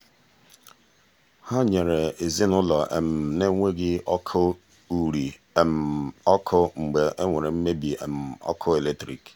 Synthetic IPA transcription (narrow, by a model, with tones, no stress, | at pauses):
ha˦ɲe˨ɾe˨e˨zi˦nʊ˦lɔ˨ʔe˨m̩˨ne˦ŋʷe˦ɡɪ˦ɔ˦kʰʊ˦ | u˨ɾi˨ | e˨m̩˨ɔ˦kʰʊ˦ŋ͡m̩˨ɡ͡be˨ʔe˦ŋʷe˨ɾe˨m̩˦me˦bi˨ḛ˨m̩˨ɔ̰˦kʰʊ˦e˨le˦tɾi˨k